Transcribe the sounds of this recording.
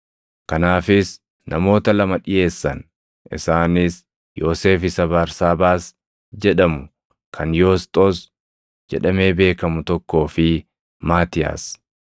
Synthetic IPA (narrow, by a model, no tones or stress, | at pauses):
kɐnaːfɪs | nɐmo̞ːt̪ɐlɐmɐᶑɪje̞ːsːɐn | ʔɪ̰saːnɪs | jo̞ːse̞ːfɪsɐbɐɾsaːbaːs | d͡ʒɛᶑɐmʊ | kʰɐnjoːst̪ʼoːs | d͡ʒɛᶑɐme̞ːbe̞ːkɐmʊt̪ɔkːo̞ːfɪ | maːt̪ɪja̰ːs